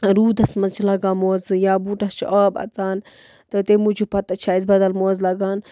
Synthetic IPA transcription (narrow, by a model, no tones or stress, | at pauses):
ɾuːd̪ɐsmɐt͡ʃʰlɐɡaːmoːzɨjaːbuʈɐst͡ʃʰʔaːbɐ̰t͡saːn | t̪ɐt̪emud͡ʒupɐt̪ɐt͡ʃʰaːizbɐd̪ɐlmoːzlɐɡaːn